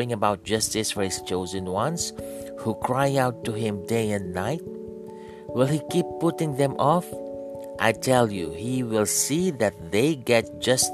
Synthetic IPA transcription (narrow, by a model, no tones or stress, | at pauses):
ɪ̃ŋəbaʊt̚d͡ʒʌstɪsfɔhɪst͡ʃoʊzə̃nwãns | hukʰɹaɪaʊtːuɦɪ̃mdeɪɛ̃nːaɪt̚ | wɪlˠhikipːʊtɪ̃ŋðɛ̃mʔɔf | ʔaɪtʰɛljuhiwɪlˠsiðɛt̚ðeɪɡɛt̚d͡ʒʌs